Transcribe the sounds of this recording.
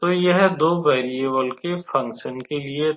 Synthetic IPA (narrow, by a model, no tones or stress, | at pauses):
t̪oːjɐɦɛd̪oːʋɛːɾieʋəlkefɐ̃ŋkʃənkelie